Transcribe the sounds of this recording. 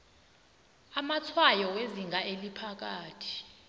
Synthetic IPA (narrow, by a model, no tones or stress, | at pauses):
amat͡sʰwajɔweziŋɡʱaʔelipʰak̬aːtʰi̥